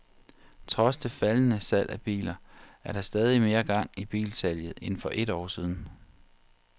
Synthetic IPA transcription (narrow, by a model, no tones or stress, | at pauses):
t͡sʰʁɒ̽sd̥e̝fælənəsæl̰ʔæb̥ḭːlɐæɐɾ̥ɑ̈sd̥ɛːð̞ˠime̝ːɐɡ̥ɑ̈ŋ̰ib̥ḭːlsæljð̩ˠe̝nfɒ̽ʔe̝ɾɒ̰ːsiːð̞ˠn̩